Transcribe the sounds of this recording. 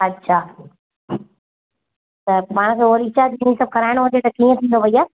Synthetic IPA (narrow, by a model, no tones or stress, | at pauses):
ɐtːɕʰaː | t̪ɐpaːɽ̃kʰeːoːɾiːt͡ɕad̪inĩsɐb̚kɐɾaːɪɽ̃ɦʊd͡ʑet̪ɐkiːə̃t̪ʰĩːn̆d̪opɐiaː